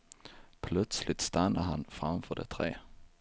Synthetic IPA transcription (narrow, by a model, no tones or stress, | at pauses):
pʰlœt̪slɪt̪st̪anːəɦanfʁamfœɖɛ̰t̪ʰɾeː